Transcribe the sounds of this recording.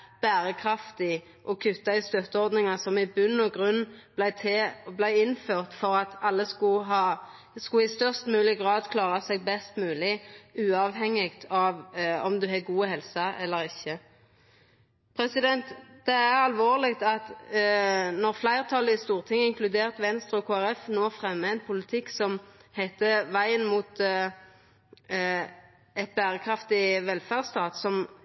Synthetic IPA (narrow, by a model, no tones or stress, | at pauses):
b̥æːʁəkʰʁɑft̪ɪ | ʔɔkʰʉt̪ːɑɪst̪øt̪ːəɔʁd̪nɪŋɑsɔmɪbʉnːɔɡʁʉnːb̪æɪt̪ʰeblæɪɪnføːʁt̪fɔʁɑt̪ɑlːəskʊɦɑː | skʊɪst̪œʁst̪mʉːlɪɡʁɑːd̪kʰlɑːʁɑsɛɡ̚bɛst̪mʉːlɪʉːɑːʋɦɛŋːɪɡt̪ʰɑʋɔmd̪ʉɦɛɡuːəhɛlsɑɛlːəʁɪçːə | pʰʁɛsɪd̪ɛnt̪d̪̥ɛæʁɑlʋoːʁlɪɡt̪ɑt̪ | nɔʁflæɪʁt̪ʰɑləɪst̪uːʁt̪ʰɪŋːəɪŋklʉd̪eːʁt̪ʋɛnst̪ʁəɔkʰoːæʁɛfnoːfʁɛmːəæɪnpʰʊlɪt̪ʰɪkːsɔmhæɪt̪əʋæɪənmuːt̪ | ɛt̪̚bæːʁəkʰʁɑft̪ɪʋɛlfæːʁst̪ɑːt̪sɔm